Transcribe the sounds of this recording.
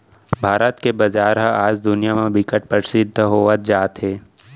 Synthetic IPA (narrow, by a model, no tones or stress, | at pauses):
bʱaːɾət̪kebɐd͡ʒaːɾɦəaːd͡ʒd̪ʊnijamẽbɪkəʈ̚pəɾsɪd̪ʱːəɦoːət̪̚d͡ʒaːt̪ɦeː